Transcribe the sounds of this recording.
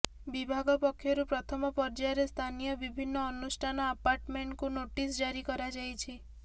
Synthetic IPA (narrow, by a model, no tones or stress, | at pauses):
bibʱaɡɔpɔkʰːjɔɾupɾɔt̪ʰɔmɔpɔɾd͡ʒaɾest̪ʰanijɔbibʱinːɔːnusʈʰanɔapaɾʈmeɳʈkunoʈisd͡ʒaɾikɔɾad͡ʒajt͡ʃʰi